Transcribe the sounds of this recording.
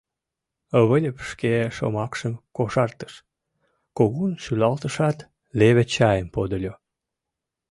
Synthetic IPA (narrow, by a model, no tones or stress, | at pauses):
əβəlʲəpʃkeʃo̰mɑkʃəmkoʃɑrt̪ə̥ʃ | koɣunʃylɑlt̪əʃɑt̪ | leβet͡ɕɑjəmpod̪olʲo